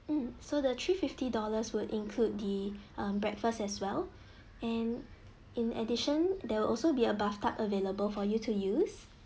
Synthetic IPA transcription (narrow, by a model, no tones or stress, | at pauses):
m̩sodət̪ʰɹififtidɔləswudĩnkʰlud̚diʔʌ̃mbɹɛkfəstɛswɛl | ɛ̃n | ĩnɛ̰diʃə̃ndɛwɪlʔɔlsobiəbaftʰapəveləbəlfɔjutʰujus